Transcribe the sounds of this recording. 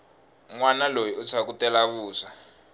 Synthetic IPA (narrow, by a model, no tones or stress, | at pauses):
ŋwanalojiut͡sʰak̬utɛlaβuːsa